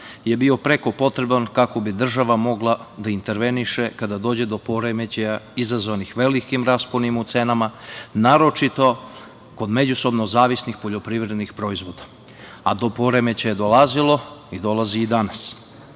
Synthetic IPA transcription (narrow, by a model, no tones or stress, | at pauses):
je̞bio̞pɾe̞ko̞po̞t̪ɾe̞bankako̞bid̪r̩ʒaʋamo̞ɡlˠad̪aint̪e̞ɾʋe̞niʃe̞kad̪ad̪o̞ːd͡ʑe̞d̪o̞po̞ɾemet͡ɕejaizazʋanixʋe̞likimɾasponimut̪se̞namanaːɾo̞t͡ʃit̪o̞ | ko̞d̪me̞d͡ʑuso̞bno̞zaːʋisnixpoʎo̞pɾiʋɾe̞d̪nixpɾo̞izʋo̞d̪a | ad̪o̞po̞ɾe̞met͡ɕajed̪o̞lazilˠo̞id̪o̞lˠaziːd̪anas